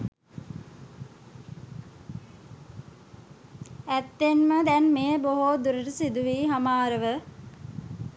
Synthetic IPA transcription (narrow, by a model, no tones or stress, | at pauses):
æt̪ːenməd̪ɛnmejboɦod̪uɾəʈəsid̪uʋiːɦamaːɾəʋə